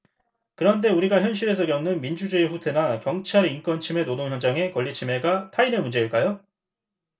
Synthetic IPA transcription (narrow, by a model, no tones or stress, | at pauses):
kɯɾʌnde̞uɾiɡaçjʌnɕ̬͈ʰiɾe̞s̬ʰʌkjʌŋnɯnmind͡ʑud͡ʑeiɸutʰe̞nakjʌŋt͡ɕʰaɾink͈ʌnt͡ɕʰime̞nodoŋjʌnd͡ʑaŋe̞kʌʎːit͡ɕʰime̞ɡatʰainemund͡ʑe̞iɭk͈ajo